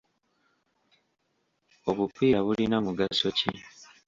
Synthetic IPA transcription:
o̞βupʰiːɾaβulinamuɡaso̞cḭ

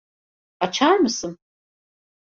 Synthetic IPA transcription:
at͡ʃʰaɾmɯsɯn

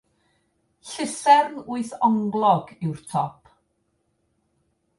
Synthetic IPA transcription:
ɬɪsɛrnuɨθɔŋɡlˠɔɡɪwrtʰɔpʰ

